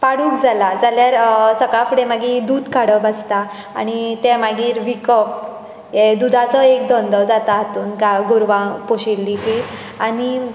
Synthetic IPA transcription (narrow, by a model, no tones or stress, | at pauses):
paɽuːkd͡zalad͡zaljaɾsəkafuɽemaɡid̪uːd̪kaɽəbast̪a̰ː | ñit̪ɛmaɡiːɾʋikəp̚ | jed̪ud̪ʱat͡sɔek̚d̪ɔnd̪əd͡zat̪aɦt̪uːnkaɡuɾʋãpoɕilːiɦi | ani